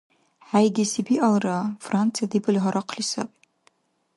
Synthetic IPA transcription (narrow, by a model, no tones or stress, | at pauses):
ħajɡʲisibiʔalrafrant͡sʰijadibɨlʲħaɾʔaqʰlisa̰pʼ